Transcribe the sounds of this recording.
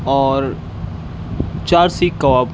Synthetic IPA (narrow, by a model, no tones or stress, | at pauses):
ɔːɾ | t͡ʃaːɾsikːɐwaːb